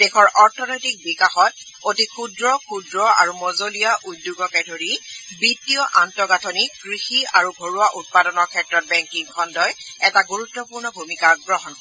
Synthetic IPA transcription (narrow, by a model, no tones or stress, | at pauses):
dexɔɹʔɔɹtʰɔnɔjtik̚bikaxɔt | otikʰudɹɔkʰudɹɔa̰ɹumɔzolijaʔut̚dːuɡɔkɛdʱoɹibitijɔʔantɔɡatʰɔniɡɹixiaɹubʱoɹuaʔut̚padɔnɔɹkʰɛtɹɔt̚bɛŋkiŋkʰɔndɔjɛtaɡuɹutːɔpuɹnɔbʱumikaɡɹɔɦɔnkɔɛ